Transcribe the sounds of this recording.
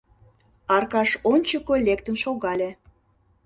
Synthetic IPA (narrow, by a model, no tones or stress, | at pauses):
ɑrkɑʃonʲt͡ɕəkolʲekt̪ənʃoɣɑlʲe